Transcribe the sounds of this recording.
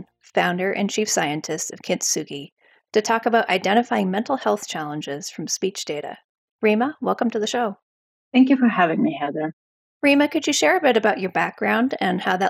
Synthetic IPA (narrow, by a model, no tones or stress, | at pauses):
fãʊ̃ndə˞ʔɨ̰̃nt͡ʃʰifsaɪɨ̃ntʰɨstʌv̥kʰɪ̃ntsʉɡi | tɨtʰɔkəbaʊɾʔa̰ɪdɛ̃ɾ̃ɨfaɪɪ̃ŋmɛ̃ntˡl̩ˠhɛlˠθt͡ʃʰælˠə̃nd͡ʒɪz̥fɹʌ̃mspit͡ʃd̥eɪɾɨ̰ | ɹiməwɛlˠkə̃m̩tʰɨðɨʃoʊ | θæ̃ŋkjʉfə˞hævɪ̃ŋmihæd̪̚ðə˞ | ɹimɨkɨd͡ʒɨʃɛɹɨbɪɾɨbaʊt͡ʃə˞bæk̚ɡ̥ɹãʊ̃ndɨ̃nhaʊðə